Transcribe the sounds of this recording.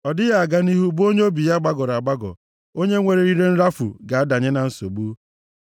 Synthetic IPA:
ɔ˨dɪ˦ɣa˦a˨ɡa˦ni˦ɦu˦bo˦ɲe˦o˦bi˨ja˦ɡ͡ba˦ɡɔ˨ɾa˨ɡ͡ba˦ɡɔ̰˨ | o˦ɲe˦ŋʷe˨ɾe˨ɾi˦ɾe˦n̩˦ɾa˦fṵ˨ɡa˨a˦da˨ɲe˦na˨n̩˦so̰˨ɡ͡bu˦

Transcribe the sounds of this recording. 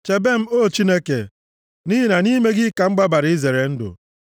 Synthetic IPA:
t͡ʃe˨be˦m̩˦o˦˨t͡ʃi˦ne˦ke˨ | ni˦i˦na˨ni˦me˦ɡɪ˦ka˨ŋ͡m̩˦ɡ͡ba˦ba˨ɾɪ˦ze˨ɾe˨n̩˦dʊ̰˨

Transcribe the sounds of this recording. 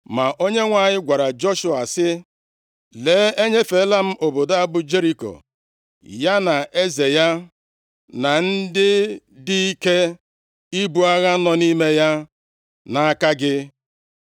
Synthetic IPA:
ma˨ʔo˦ɲe˦ŋʷa˨ɲɪ˦ɡʷa˨ɾa˨d͡ʒɔ˦ʃu˨a˨sɪ˦ | le˨˦e˦ɲe˦fe˨˦la˦m̩˦ʔo˨bo˨da˦a˦bʊ˦d͡ʒe˦ɾi˦ko̰˨ | ja˦na˨ʔe˦ze˨ja˦ | na˨n̩˦dɪ˦dɪ˦i˦ke˦ | i˦bu˦a˦ɣa˦nɔ˦ni˦me˦ja˦ | na˨a˦ka˦ɡɪ˦

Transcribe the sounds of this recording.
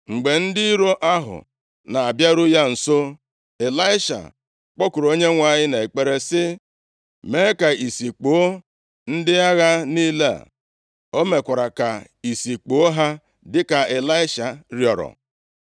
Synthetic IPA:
ŋ͡m̩˨ɡ͡be˨n̩˦dɪ˦i˦ɾo˦ʔa˦ɦʊ̰˨ | na˨a˨bja˦ɾʊ˦ja˦n̩˨so˦ | e˨la˦ɪ˦ʃa̰˨ | k͡pɔ˦kʊ˨ɾo˦ɲe˦ŋʷa˦˨ɲɪ˦ne˨e˨k͡pe˦ɾe˦sɪ˦ | me˦ka˨i˨si˨k͡po˨o˦ | n̩˦dɪ˦a˦ɣa˦niː˦le˦a̰˨ | o˦me˨kʷa˨ɾa˨ka˨ | i˨si˨k͡po˨o˦ɦa˦ | dɪ˦ka˨e˨la˦ɪ˦ʃa˨ɾjɔ˨ɾɔ̰˨

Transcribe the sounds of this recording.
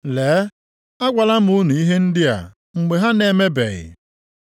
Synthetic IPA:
leː˨˦ | a˦ɡʷa˨la˦m̩˦u˦nu˨i˦ɦe˦n̩˦dɪ˦a̰˨ | ŋ͡m̩˨ɡ͡be˨ɦa˦ne˨me˦be˨ɣɪ̰˨

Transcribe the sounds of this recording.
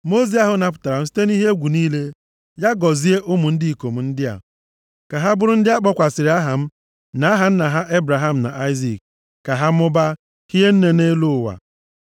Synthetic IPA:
mo˦zi˦a˦ɦʊ˨na˨p̬ʊ̥˨ta˨ɾa˨m̩˦s̬i̥˦te˦ni˦ɦe˦e˦ɡʷu˨niː˦le˦ | ja˦ɡɔ˨zi˦e˦ʔʊ˦mu˨n̩˦di˦i˨ko˨m̩˨n̩˦dɪ˦a̰˨ | ka˨ɦa˦bʊ˦ɾʊ˦n̩˦dɪ˦a˦k͡pɔ˦kʷa˨sɪ˨ɾɪ˨˦a˦ɦa˨m̩˦ | na˨˦a˦ɦa˨n̩˦na˨ɦa˦ʔe˦bɾa˨ɦa˦m̩˨na̰˨ʔa˦ɪ˦zi˨k̚ | ka˨ɦa˦m̩˦ʊ˦ba˦ | ki˦ɦe˦n̩˦ne˨ne˦lʊ˦˨wa̰˨

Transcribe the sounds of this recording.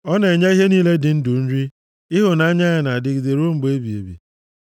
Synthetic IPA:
ɔ˦ne˨ɲa˦i˦ɦe˦niː˦le˦dɪ˨n̩˦dʊ˨n̩˦ɾi˦ | ɪ˦ɦʊ˨na˨a˦ɲa˦a˨na˨dɪ˨ɡi˨de˨ɾo˦ŋ͡m̩˦ɡ͡be˦bi˨ḛ˨bḭ˨

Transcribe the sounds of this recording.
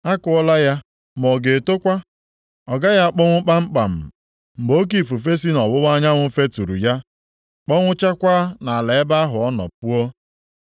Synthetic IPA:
a˦kʊ˦ɔ˦la˦ja˦ | m˨ɔ˨ɡe˨to˦kʷa˦ | ɔ˨ɡa˦ja˦˨k͡pɔ˦ŋʷʊ˦k͡pa˦ŋ͡m̩˦k͡pa˨m̩˨ | m̩˨ɡ͡bo˦k̬i˨fu˨f̬e˦s̬i˦nɔ˨bʊ˦wa˦ɲa˦ŋʷʊ˦fe˦tu˨ɾṵ˨ja˦ | k͡pɔ˦ŋʷʊ˦t͡ʃa˦kʷa˦na˨a˨le˨e˦ba˦a˦ɦʊ˨ɔ˦nɔ̰˨p̚u˦o˦

